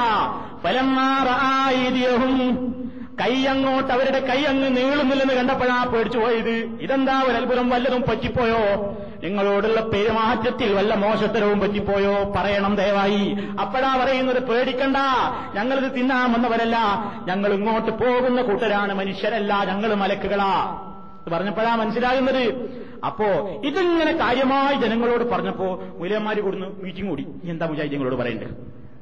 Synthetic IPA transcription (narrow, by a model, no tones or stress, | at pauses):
fɐlɐmːaːrɑʔaːɐjd̪ijɐɦum | kɐjɐŋːo̞ːʈːɐʋɐɾuɽe̞kɐjɐŋːeniːɭunːilːenːɨkɐɳɖɐpːeɻaːpːeːɽit͡ɕːupoːjɐðɨ | iðe̞nd̪aːʋɐlɐlbʱuðɐmʋɐlːɐðumpɐtːipːo̞ːjoː | niŋːɐɭoːɽulːɐpe̞ɾumaːɐt̪jɐt̪ːilʋɐlːɐmo̞ːʂɐst̪ːɐɾɐʋumpɐtːipːo̞ːjoːpɐrɐjɐɳɐmd̪eːʋaːhiɐpːɐɽaːpɐrɐjunːɐðɨpreːɽikʲːeɳɖa | ɲɐŋːɐɭiðɨt̪inːaːmenːɐʋɐɾɐlːɐɲɐŋːɐɭiŋːo̞ːʈːɨpo̞ːɣunːɐkuːʈːɐɾaːɳɨmɐnuʂjɐnɐlːaɲɐŋːɐɭumɐlɐkːuɣɐɭaː | iðɨpɐrɐɲːɐpːɐɻaːmɐnɐsːilaːɣunːɐðɨ | ɐ̰pːo̞ːɭiðɨiŋːɐne̞kaːɾjɐmaːjid͡ʑenɐŋːɐɭo̞ːɽɨpɐrɐɲːɐpːo̞ːmulɐjɐmːaːɾikuɽunːumiːʈːiŋkuːɽi | end̪aːmud͡ʑaːjit̪jɐŋːɐɭo̞ːɽɨpɐrɐ̰jṵɳɖɐ̰